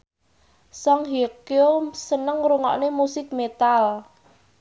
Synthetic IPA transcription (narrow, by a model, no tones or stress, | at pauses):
sɔŋɦekjomsənəŋɾuŋɔ̰ʔnemusɪk̚met̪al